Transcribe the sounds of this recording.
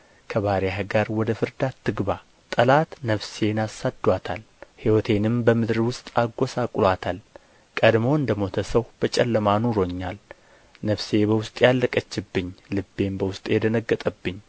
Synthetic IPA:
kʰəβaɾjaɦəɡaɾwɔd̪əfɨɾd̪at̪ʰːɨɡba | t̪ʼəlat̪nəfse̞nasad̪wat̪ʰa̰l | hiwɔt̪ʰe̞nɨmbəmɨd̪ɾwʊst̪ʼaɡːo̞sakʼlwat̪ʰal | kʼəd̪mo̞ɨnd̪əmo̞t̪ʰəsəwb̥ət͡ʃʼɛlːəmanuɾo̞ɲːal | nəfse̞bəwʊst̪ʼjalːəkʼət͡ʃːɨbːɨɲːlɨbːe̞mbəwʊst̪ʼjɛd̪ənəɡːət̪ʼəbːɨɲː

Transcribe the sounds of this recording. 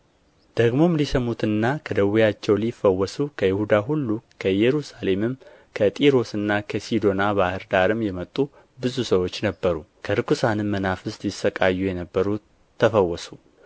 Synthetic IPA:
d̪̥əɡmo̞mlisəmut̪ɨnːakʰəd̪əwijat͡ʃːɛwlifːəwːɔsukʰəjɪhud̪aɦulːukʰəjɛɾusale̞mɨm | kʰət̪ʼiɾo̞sɨnːakʰəsid̪o̞naβahɨɾd̪aɾɨmjɛmət̪ʼːu | bɨzusəwo̞t͡ʃːnəbːəɾukʰəɾɨkʰusanɨmːənafɨsjɪsːəkʼajːujɛnəbːəɾu | əfəwːɔsu

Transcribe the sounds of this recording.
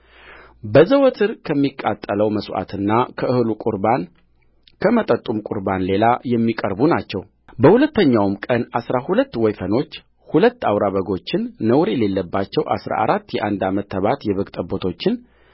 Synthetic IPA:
bəzəwɔt̪ʰɨɾkʰəmːikʼːat̪ʼːələwməswʔa̰t̪ʰɨnːakʰəɨhlukʼuɾan | kʰəmət̪ʼət̪ʼumkʼṵɾbanle̞lajɛmːikʼəɾbunat͡ʃːɛw | bəhulət̪ːəɲːawmkʼənasɾahulət̪ːwɔjfəno̞t͡ʃː | hulət̪ːawɾaβəɡo̞t͡ʃːɪnːəwɾe̞le̞lːəbːat͡ʃːɛwʔa̰sɾa̰ʔa̰ɾat̪ːjɛʔand̪amət̪ːəβat̪jɛβəɡt̪ʼəbot̪ʰo̞t͡ʃːɪn

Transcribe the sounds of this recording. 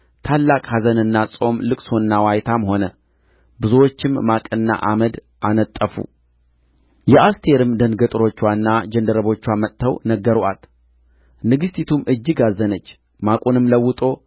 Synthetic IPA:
t̪ʰalːakʼhazənɨnːasʼo̞mlɨkʼsonːawajt̪ʰamho̞nə | bɨzuwot͡ʃːɪmːakʼɨnːa̰ʔaməd̪ | ʔanət̪ʼːəfṵ | jɛʔast̪ʰe̞ɾɨmd̪ənɡət̪ʼɨɾo̞t͡ʃːwanːad͡ʒənd̪əɾəβo̞t͡ʃːwamət̪ʰːəwnəɡəɾʔat̪ | nɨɡɨst̪ʰit̪ʰumɨd͡ʒːɨɡazːənət͡ʃː | makʼonɨmləwːʊt̪ʼo̞

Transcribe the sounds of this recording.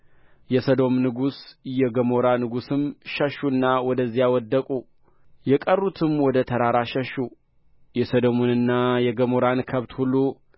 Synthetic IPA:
jɛsəd̪o̞mnɨɡusjɛɡəmo̞ɾanɨɡusɨmʃəʃːuɨnːawɔd̪əzːijawɔd̪ːəkʼu | jɛkʼərːut̪ʰɨmwɔd̪ət̪ʰəɾaɾaʃəʃːu | jɛsəd̪omonɨnːajɛɡəmoɾankʰəβt̪hulːu

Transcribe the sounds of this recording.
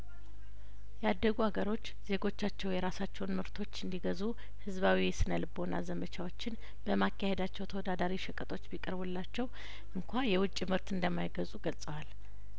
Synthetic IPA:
jɛad̪ːəɡuaɡəɾo̞t͡ʃːz̥e̞ɡo̞t͡ʃːat͡ʃːɛwjɛɾasat͡ʃːɛwnmɨɾt̪ʰo̞t͡ʃːɨnd̪iɡəzu | hɨzβawiɛsɨnəlɨbo̞na̰zəmət͡ʃʰawo̞t͡ʃːɪn | b̥əmakːahed̪at͡ʃːɛwt̪ʰəwɔd̪ad̪aɾiʃɛkʼət̪ʼo̞t͡ʃːbikʼəɾbulːat͡ʃːɛw | ʔɨŋkʷʰajɛwʊt͡ʃʼːimɨɾt̪ɨnd̪əmːajɡəzʼuɡəlsʼəwal

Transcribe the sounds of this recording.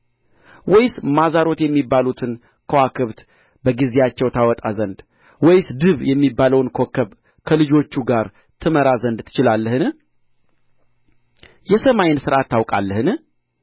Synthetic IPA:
wɔjsmazaɾo̞t̪jɛmːibːalut̪ʰɨn | kʰəwakʰɨβt̪ | bəɡizejat͡ʃːɛwt̪ʰawɔt̪ʼazənd̪ | wɔjsd̪ɨβjɛmːibːaləwnkʰo̞kʰːəβ | kʰəlɨd͡ʒo̞t͡ʃːuɡaɾ | t̪ʰɨməɾazənd̪t̪ʰɨ̥t͡ʃɪlalːəhɨn | jɛsəmajɪnsɨɾʔat̪ːawkʼa̰lːəhɨn

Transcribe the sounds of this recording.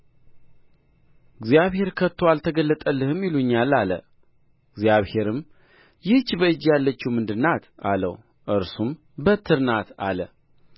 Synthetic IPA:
ɪɡzjaβhe̞ɾkʰət̪ːoalt̪ʰəɡəlːət̪ʼəlːɨhɨmɪluɲːalːalə̰ | ɡzjaβhe̞ɾɨm | jɪht͡ʃːbəɨd͡ʒːjalːət͡ʃːiwmɨnd̪ɨnat̪ʔa̰lə̰w | ʔɨɾsum | bət̪ʰːɨɾnat̪a̰lə

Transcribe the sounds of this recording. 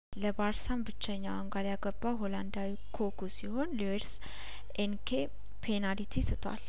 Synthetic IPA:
ləbaɾsambɨt͡ʃːəɲːawaŋɡaljaɡəbːawɦoland̪awikʰokʰusiho̞nliweɾs | ʔenkʰe | pʰenalit̪ʰisɨt̪ʰwa̰l

